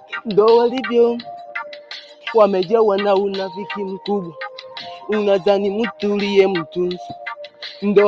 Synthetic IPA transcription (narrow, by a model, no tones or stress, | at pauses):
n̩dɔwɔlivjɔ | wamɛd͡ʒɛwanaunafikimukuɓaunazanimutulijɛmutunzin̩dɔ